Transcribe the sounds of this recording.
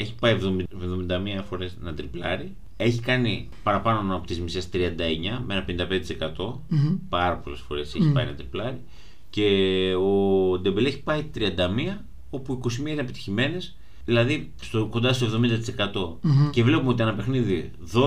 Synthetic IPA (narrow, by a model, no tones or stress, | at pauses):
e̞çi̥pɐjevðo̞mevðo̞mind̪ɐmiɐfo̞ɾe̞znɐt̪ɾiplɐ̰ɾi | e̞çikɐni | pɐɾɐpɐnonɐpot̪izmisest̪ɾiɐnd̪ɐe̞ɲɐmeenɐpe̞nind̪ɐpe̞nd̪t̪isekɐt̪o̞ | pɐɾɐpo̞̰le̞sfo̞̰ɾe̞seçipɐinɐt̪ɾiplɐɾi | ce̞od̪embele̞çi̥pɐit̪ɾiɐnd̪ɐmiɐ | o̞puiko̞simiɐineepi̥t̪i̥çime̞ne̞s | ðilɐði | st̪oko̞nd̪ɐst̪ovðo̞mind̪ɐt̪ise̞kɐt̪o̞ce̞vle̞pumeo̞t̪iɐnɐpe̞xniði | ðo